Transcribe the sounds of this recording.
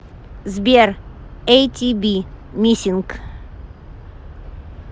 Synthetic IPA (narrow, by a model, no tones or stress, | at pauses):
zbʲeɾejt̪ʲibʲimʲisʲiŋk